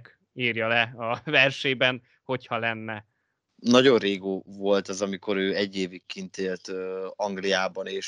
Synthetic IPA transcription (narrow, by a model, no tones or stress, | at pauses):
k | iːrjɒlɛɒvɛrʃeːbɛn | ho̞chɒlɛnːɛ | nɒɟo̞rreːɡoːvo̞lt̪ɒzɒmiko̞ɾøːɛɟːeːvikːint̪eːlt̪ɒŋɡlijaːbɒneːʃ